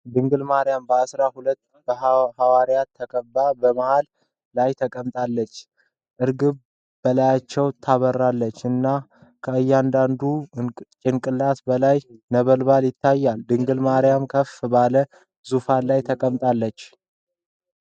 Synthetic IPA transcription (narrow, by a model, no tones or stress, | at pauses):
d̪ɨŋɡɨlmaɾɪjambəasɾahulət̪ːb̥əhawaɾjat̪ʰːəkʼəbːabəmahalː | ajt̪ʰəkʼəmt̪ʼalːət͡ʃː | ʔɨɾɡɨβ | bəlajat͡ʃːɛwt̪ʰaβərːalːət͡ʃːɨnːa | kʰəɨjːand̪and̪ut͡ʃʼɪnkʼɨlːat̪bəlajnəβəlbaljɪt̪ʰːajːald̪ɨŋɡɨlmaɾɪjamkʰəfbalə | zufalajt̪ʰəkʼəmt̪ʼalːət͡ʃː